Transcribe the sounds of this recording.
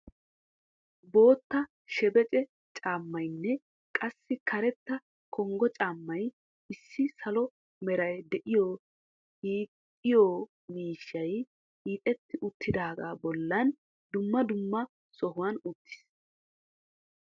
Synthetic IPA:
bo̞ːt̪ːɐ | ʃɛbɛt͡ʃʼɛ | t͡ʃʼaːmːɐjnːɛ | kʼɐsːɪkʰɐɾɛt̪ːɐ | kʰɔŋɡɔt͡ʃʼaːmːɐj | ɪsːɪsɐlɔ | mɛɾɐjd̪ɛʔɪjoː | hiːkʼː | ɪjoː | miːʃːɐj | hiːt̪ʼɛt̪ːɪʔʊt̪ʰːɪd̪aːɡaːbɔlːɐn | d̪ʊmːɐd̪ʊmːɐ | sɔɦʊwɐnʊt̪ʰːɪ̥s

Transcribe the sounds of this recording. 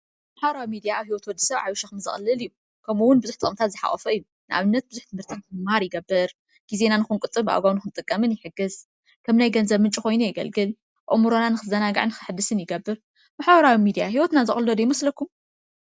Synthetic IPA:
maħbɐɾawimid̪ijaawhiwot̪wɔd̪ːɨ̥sɐβʕawuʃaxɨmzɨ̰xʼɨlːɨlɨjːu | kʰɐmuwʊnbɨzuħt̪ʼɨχʼmt̪ʰat̪zɨħa̰χʼɐfɐɨjːu | nɨʔa̰βɨnːɐt̪̚bɨzuħt̪ʰɨmhɨɾt̪ʰat̪ɨɨmːahaɾjɪɡɐbːɨɾ | ɡ̥izenanɨxunkʼɨt̪ʼɨbʔa̰wɡawnɨxɨnt̪ʼɨkʼːɐmɨnjɪħɨɡɨz | kʰɐmnajɡɐnzɐβmɨnt͡ʃʼiko̞jnujɛɡɐ̰lɡɨl | ɨ̰ʔʼmɨɾonanɨxɨzɐnaɡaʕɨnɨxɨħɨd̪ːɨsɨnjɪɡɐbːɨɾ | maħbɐɾawimid̪ijaɦiwɔt̪nazɨ̰χʼɨlːɐd̪ujɪmɐslɐkʰːum

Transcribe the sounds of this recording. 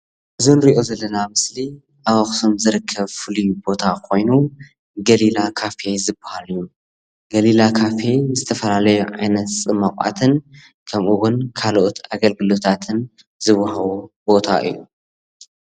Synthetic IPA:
ʔɨzonɾiʔo̞zɐlːɐnamɨsli | ʔawɐxt̪ʰo̞mzɨɾɨkʰːɐβfɨlijubo̞t̪ʰakʰo̞jnu | ɡɐlilakʰafezɨbahalɨjːu | ɡ̥ɐlilakʰafe̞zɨt̪ʰɐfɐlalɐjuʕa̰jnɐt̪sʼɨmakʼa̰t̪ʰɨn | kʰɐmʔuɣʊnkʰaloʔot̪ʰaɡɐlɡɨlo̞t̪ʰat̪ʰɨn | zɨβɐhɐβobo̞t̪ʰa̰ʔɨ̰jːṵ

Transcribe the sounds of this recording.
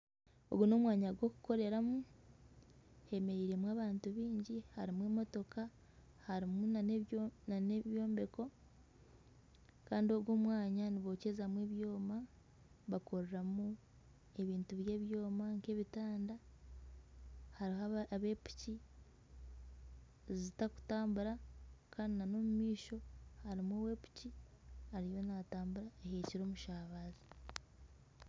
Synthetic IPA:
o̞̰ɡuno̞mwaːɲaɡwo̞ku̥ko̞ɾe̞ɾamu | he̞me̞ɾiːɾe̞mwaːβaːntuβiːɲɟihaɾimweːmo̞to̞ka | haɾimu | naneβjo̞ːmbe̞ko̞ | kaːndio̞ɡoːmwaːɲaniβo̞cezamweβjo̞ːma | βako̞ɾeɾamu | e̞βiːntuβje̞ːβjoːmaŋke̞βitaːnda | haɾihaβe̞pu̥ci | zitaku̥taːmbuɾakʰaːninano̞mumiːʃo̞haɾimuwe̞pu̥cihaɾijo̞nataːmbuɾaeheciɾo̞ːmuʃaːβaːzi

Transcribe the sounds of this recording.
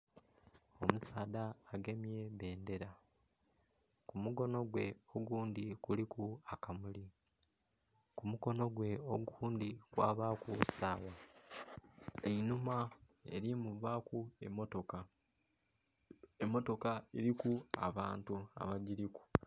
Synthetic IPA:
o̞musaːdaːɡe̞mje̞βe̞ːnde̞ɾa | kumuɡo̞no̞ɡwe̞oɡuːndikulikuakamuli | kumuko̞no̞ɡwe̞oɡuːnd̪ikwa̰ːβakusaːwa | einuma | ḛɾimuβakueotoka | emːo̞to̞kaeɾikua̰βaːntua̰βaɟiɾiku̥

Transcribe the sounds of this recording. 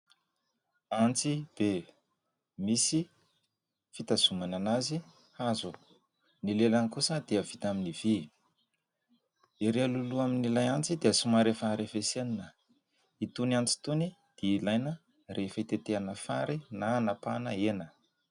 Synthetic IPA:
ant͡sid̪̥e | misi | fit̪az̥umananazi | hazu | nilelanikusəd̪eəv̥it̪aminiv̥i | iɾealuluaminilajant͡sid̪eəsumaɾefəaɾefeseninə | it̪uniant͡si̥t̪unid̪̥eilajnə | rʔefəit̪et̪eanəfa̰ɾinanapanəenə

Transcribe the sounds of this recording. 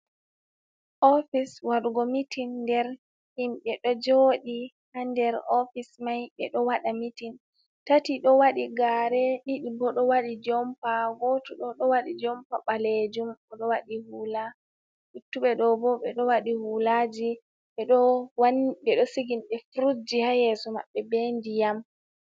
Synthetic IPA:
ʔɔfiswaɗuɡɔmitinːdɛɾ | himɓɛɗɔd͡ʒoɗi | handɛɾɔfismajɓɛɗɔwaɗamitin | tatiɗɔwaɗiɡaɾɛɗiɗibɔɗɔwaɗid͡ʒɔmpaɡɔtuɗɔɗɔwaɗid͡ʒɔmpaɓaled͡ʒumɔɗɔwaɗihula | ʔitːuɓɛɗɔbɔɓɛɗɔwaɗihulad͡ʒi | ɓɛɗɔwanbɛɗɔsiɡinɗɛfuɾud͡ʒihajɛsɔma̰ɓːɛbendijam

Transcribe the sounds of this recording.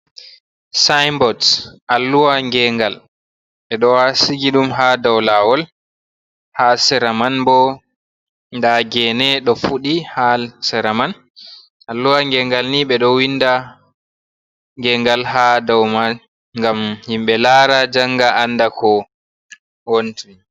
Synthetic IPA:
sajmbɔdʔalːuwaŋɡɛŋɡal | ɓɛɗɔwasiɡiɗumɦadawlawɔl | hasɛɾamanbɔ | ndaɡɛnɛɗɔfuɗihalsɛɾaman | ʔalːuwaŋɡɛŋɡalniɓɛɗɔwinːda | ŋɡɛŋɡalɦadawma | ŋɡamhimɓɛlaːɾad͡ʒaŋɡaʔanːdakʰɔ | wontun

